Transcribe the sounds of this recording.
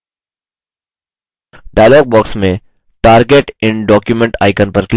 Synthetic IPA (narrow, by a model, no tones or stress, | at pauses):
ɖaːjloːɡ̚bɔːksmẽ | ʈaːɾɡeːʈɪ̃nɖɔːkjuʊmɛ̃ɳʈa̰ːɪkənpɐɾkl